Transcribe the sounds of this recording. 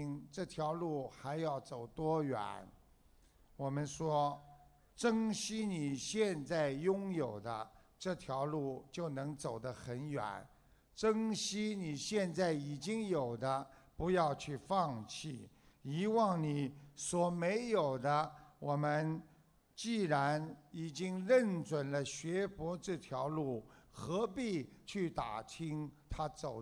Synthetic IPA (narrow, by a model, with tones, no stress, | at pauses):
ŋʈ͡ʂɤ˥˩t̪ʰjɑ˧˥ʊlu˥˩xa˧˥ɪjɑ˥˩ʊt͡so˨˩ʊt̪wɔ˥ɥɛ̰˨˩˦n | wɔ˨˩mə˦nʂwɔ˥ | ʈ͡ʂɤ˥ŋɕi˥ni˨˩ɕjɛ˥˧nt͡sa˥˩ɪjʊ˥ŋjo˨˩ʊd̪ə̰˦ʈ͡ʂɤ˥˩t̪ʰjɑ˧˥ʊlu˥˩t͡ɕjo˥˩ʊnɤ˧˥ŋt͡so˨˩ʊd̪ə˦xə˧˥nɥɛ̰˨˩˦n | ʈ͡ʂɤ˥ŋɕi˥ni˨˩ɕjɛ˥˧nt͡sa˥˩ɪi˨˩t͡ɕi˥ŋjo˨˩ʊd̪ə˦pu˧˥jɑ˥˧ʊt͡ɕʰy˥˧fɑ˥˧ŋt͡ɕʰi˥˩i˧˥wɑ˥˩ŋni˨˩˦swɔ˨˩me˧˥ɪjo˨˩ʊd̪ə˦wɔ˨˩mə˧n | t͡ɕi˥˩ɻa˧˥ni˨˩t͡ɕi˥ŋɻə˥˩nt͡swə˨˩nlə˦ɕɥɛ˧˥pwɔ˧˥ʈ͡ʂɤ˥˩t̪ʰjɑ˧˥ʊlu˥˩xɤ˧˥pi˥˧t͡ɕʰy˥˩t̪a̰˨˩t̪ʰi˥ŋt̪ʰa˥t͡so˨˩ʊ